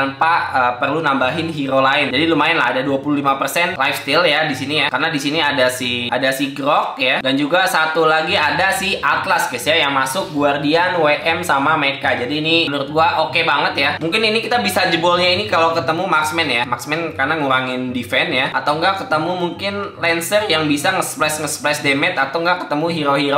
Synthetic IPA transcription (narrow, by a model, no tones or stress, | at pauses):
npaʔəpərlunambaɦɪnɦiɾolaɪnd͡ʒadilumaɪnla̰adaduapululimapərsɛnlajfst̪ɪljadisinijakarənadisiniadasihʔadasiɡɾɔk̚jadand͡ʒuɡasat̪ulaɡiadasɪhat̪laskəsjajaŋmasʊk̚ɡuardianweʔɛmsamamekad͡ʒadiːniənuɾʊt̪̚ɡuaʔokebaŋət̪jamuŋkɪninikit̪abisad͡ʒəbɔlɲainikalawkət̪əmumaksmɛnjamaksmɛnkarnaŋuɾaŋɪndifɛnjaat̪awŋɡakət̪əmumuŋkɪnlɛnsərjaŋbisaŋəsplɛsŋəsplɛsdemɛt̪at̪awŋɡaʔkə̥t̪əmuɦiɾoɦiɾo